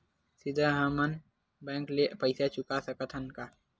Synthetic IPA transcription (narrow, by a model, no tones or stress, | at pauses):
sɪd̪ʱəɦamən | bɛ̃ːŋklepəɪsat͡ʃʊkasəkət̪ʰənka